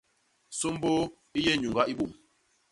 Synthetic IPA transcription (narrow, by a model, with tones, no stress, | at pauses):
so˦m˦bo˦ | i˦jɛ˦˨ɲu˨ŋɡa˦ʔi˦ɓo˨m